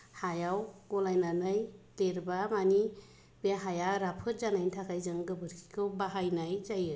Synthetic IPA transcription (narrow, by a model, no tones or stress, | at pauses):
hajawɡɔlajnanajleɾbamani | biaɦajaɾapʰɯt̚zanajntʰakʰajzɯŋɡɯbɯɾkʰi̥kʰɯwbaɦajnajzajɯ